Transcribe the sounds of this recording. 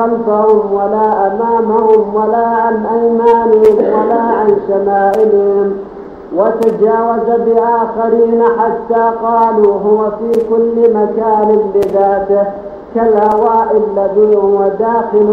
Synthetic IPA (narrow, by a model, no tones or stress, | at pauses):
amsahʊmwalaːʔamaːmahʊmwalaːʔanʔajmaːnɪhɪmwalaːʔanʃamaːʔɪlhʊm | wat̪ad͡ʒaːwazabɪʔaːxaɾiːnaħat̪ːaːqɑːluːɦʊwafiːkʊlːɪmakaːnɪbɪðaːt̪ɪh | kalhawaːʔɪlːaðiːhʊwad̪aːxɪl